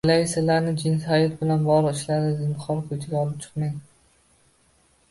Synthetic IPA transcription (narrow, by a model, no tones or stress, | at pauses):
alasɪlaɾnɪd͡ʒɪnsajɔt̪̚bɪlanbɒʁlˠɨqɪʃlaɾd̪ɪzɪnt̪χɒlˠkʰɵt̪ʰɪɡʲaɒlˠɪp̚t͡ʃʰɨ̥qmaj